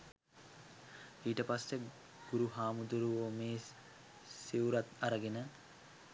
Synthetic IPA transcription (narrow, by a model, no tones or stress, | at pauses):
iːʈəpasːe | ɡ̥uɾuɦaːmud̪uɾuʋomeː | siwɾat̪aɾəɡenə